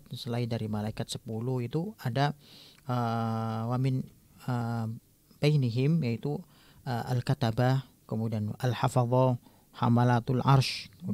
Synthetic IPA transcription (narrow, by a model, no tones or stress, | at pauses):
səlaidaɾimalaikat̪̚sə̥puluhit̪uadaəwamɪn | ə | b̥ajniɦɪmjait̪u | əʔalkat̪aba | kəmudianalhafɑðˤɔ | hamalat̪ulʕarʃkəu